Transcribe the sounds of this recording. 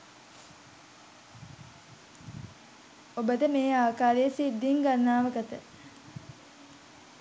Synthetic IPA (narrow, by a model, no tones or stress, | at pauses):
obət̪əmeːaːkaːɾejəsid̪ːiŋɡanːaːʋəɡət̪ə